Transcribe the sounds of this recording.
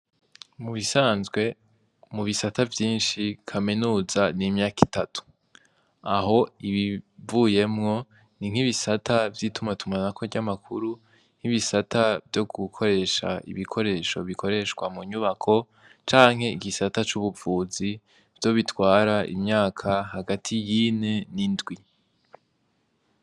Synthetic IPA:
muβisaːnzɡwe̞ | muβisatavjiːnʃikʰaminuːzanimɲaːkitatu̥ | aɦo̞iβivuːje̞mŋo̞ | niŋ̥hiβisatʰavjitumatumanakʰoɟamakʰuɾu | n̥hiβisatʰavjo̞ɡukʰo̞ɾe̞ʃa̰ʔḭβikʰo̞ɾe̞ʃo̞̰βikʰo̞ɾe̞ʃkwamuɲuβakʰo̞ | t͡ʃaːŋɦe̞iɡisatat͡ʃuβuvuːzi | v̥j̥o̞βitwaːɾaʔḭmɲaːkʰahaɡatʰijine̞nindɡwi

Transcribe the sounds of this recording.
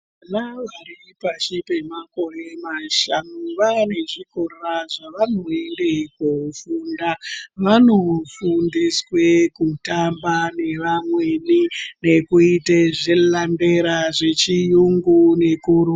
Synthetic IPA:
anaʋaripat͡ʃipe̞mako̞re̞maʃanuʋane̞ʐikorraʐaʋano̞endekufundaʋano̞fundiswe̞kutambane̞ʋamwe̞nine̞kuiteʐelande̞ɾaʐe̞t͡ʃijuŋɡune̞kuru

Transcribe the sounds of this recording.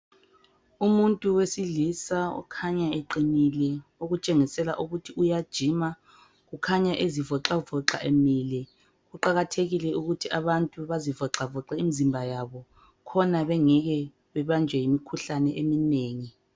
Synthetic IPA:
umuntʼuwesiɮisaɔ̰kʰaɲaeǃinilɛoɣut͡ʃʼeŋisɛlaʔuɣutʰiujad̥ʒ̥ʱima | ɣukʰaɲaʔezivɔǁavɔǁa̰ʔemiːlɛ | ɣuǃaɣatʰeɣilɛuɣutʰiʔaβantʼuβazivɔǁavɔǁaimizimbʱajaβɔ | kʰɔnaβɛŋɛɣɛ | βɛβand͡ʒʱɛjimikʰuɬanɛʔemineːŋi

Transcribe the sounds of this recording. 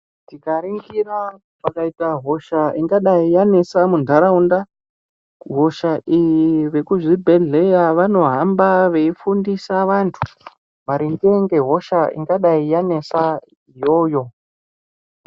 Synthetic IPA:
tikaɾiŋɡira | pakaitaɦo̞ʃaiŋɡaɗaijane̞samundʱaɾaunda | ɦo̞ʃaʔijiʋe̞kuʐibʱe̞ɮe̞jaʋano̞ɦambaʋe̞ifundisaʋantʰu̥ | maɾiŋɡeŋɡe̞ɦo̞ʃaḭŋɡaɗaijane̞sa | ijo̞ːjo̞

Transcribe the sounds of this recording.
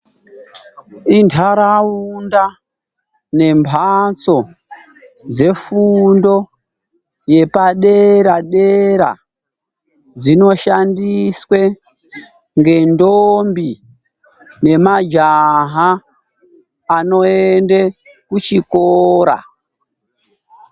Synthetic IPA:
intʰaɾaunda | ne̞mpʰat͡so̞ | d͡ze̞fundo̞ | je̞paɗeɾaɗe̞ɾa̰ | d͡zino̞ʃandiswe | ŋɡe̞ndombi | ne̞mad͡ʒaɦa | no̞ende | kut͡ʃikoːɾa̰

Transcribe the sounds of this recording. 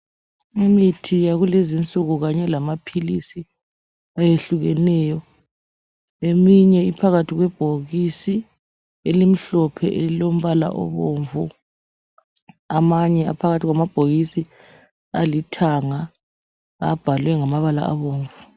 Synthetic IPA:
imitʰijaɣulezint͡sʼuɣuɣaɲɛlamapʰilisi | ajeɬuɣɛnɛːjɔ | emiɲɛipʰaɣatʰiɣwɛb̥ʱoɣisi | elim̩ɬɔpʰɛ̰ʔeilom̩βala̰ʔɔ̰βoːɱvu | amaɲɛa̰pʰaɣatʰiɣwamab̥ʱoɣisi | alitʰaŋa | a̰b̥ʱalwɛŋamaβala̰ʔa̰βoːɱvu

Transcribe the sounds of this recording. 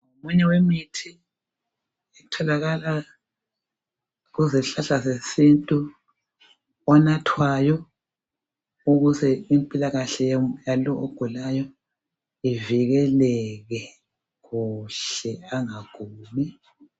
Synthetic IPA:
ŋomuɲɛwemitʰi | ɛtʰɔlaɣala | ɣuzɛɬaɬasesintʼu | ɔnatʰwajɔ | uɣuzɛimpʼilaɣaɬɛjalɔʔoɡ̥ʱulajɔ | iviɣɛlɛɣɛ | ɣuɬɛaŋaɡ̥ʱuːmi

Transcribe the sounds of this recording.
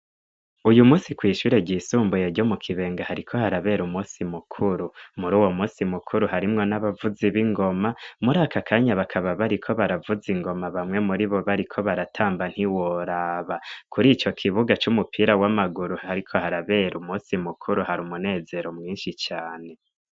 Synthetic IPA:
ujumuːsikwiːʃuːɾe̞ɟiːsuːmbujeɟo̞mukʰiβe̞ːŋɡahaɾikʰo̞haɾaβe̞ɾumuːsimukʰuɾumuɾuːwo̞muːsimukʰuɾuɦaɾimŋo̞naβavuziβiŋɡo̞mamuɾaːkʰakʰaːɲaβakʰaβaβaɾikʰo̞βaɾavuziŋɡo̞maβamŋe̞muɾiβo̞βaɾikʰo̞βaɾatʰaːmban̥hiwoɾaːβakuɾit͡ʃo̞kʰiβuɡat͡ʃumupiːɾawamaɡuɾuhaɾikʰo̞haɾaβe̞ɾumuːsimukʰuɾuhaɾumune̞ːze̞ɾomŋiːnʃit͡ʃaːne̞

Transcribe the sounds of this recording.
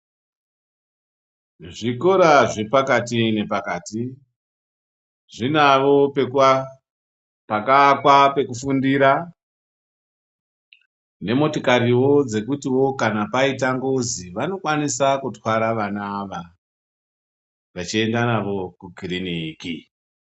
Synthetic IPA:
ʐiko̞ɾaʐe̞pakatine̞pakaːti | ʐinaʋo̞pek | pakakwape̞kufundiɾa | ne̞mo̞tokaɾiwo̞d͡ze̞kutiwo̞kanapaitaŋɡoziʋano̞kwanisakutwaɾaʋanaːʋa | ʋat͡ʃie̞ndanaʋo̞kukiriniki

